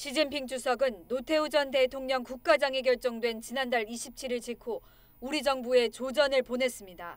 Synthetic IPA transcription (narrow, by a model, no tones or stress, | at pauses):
ɕʰid͡ʑinpʰiŋd͡ʑusʰʌɡɯnːotʰe̞ud͡ʑʌnte̞tʰoŋɲʌŋkuk̚k͈ad͡ʑaŋeɡjʌɭt͡ɕ͈oŋdwe̞nt͡ɕinandaɭiɕʰip̚t͡ɕʰiɾiɭt͡ɕikʰo | uɾid͡ʑʌŋbue̞t͡ɕod͡ʑʌnɯɭpone̞s͈ɯmɲida